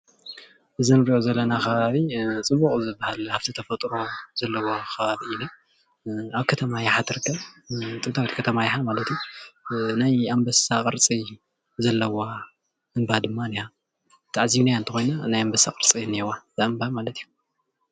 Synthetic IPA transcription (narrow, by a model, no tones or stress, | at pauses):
ʔɨzɨnɾiʔozɐlːɐnakʰɐβaβit͡sʼɨbuχʼzɨbːahalhaft̪ʰit̪ʰɐfɐt̪ʼɾo̞zɐlːɐwokʰɐβaβiɨna | aβkʰɐt̪ʰɐmajaħat̪ʰɨɾɨkʰːɐβt̪ʼɨt̪ʰawit̪kʰɐt̪ʰɐmajaħamalɐt̪iju | najambɐsakʼɨɾt͡sʼi | zɐlːɐwa | ɨnbad̪ɨmːaniha | t̪ʰaʕzinajaɨnt̪ʰɐxo̞jnanajambɐsakʼɨɾt͡sʼiɨnːiewaz̥ɨɨmbamalɐt̪ʰiju̥